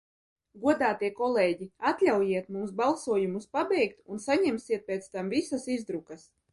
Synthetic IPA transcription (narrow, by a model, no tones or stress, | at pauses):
ɡuɔd̪aːt̪iɛkɔlˠɛːɟiat̪lʲawjiɛt̪mumsbalˠsuɔjumuspabɛjkt̪unsaɲɛmsiɛt̪̚pʲɛːt̪st̪amvisasizd̪ɾukɐs